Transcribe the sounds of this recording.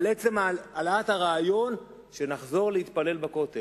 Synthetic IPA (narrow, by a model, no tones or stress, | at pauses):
let͡semaalaat̪haʁaːjo̞n | ʃe̞naχzo̞ʁlehit̪pale̞lbako̞t̪e